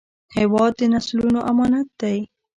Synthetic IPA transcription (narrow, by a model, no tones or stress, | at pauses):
hewɑd̪̚ːenaslunoʔamɑnat̪̚d̪aj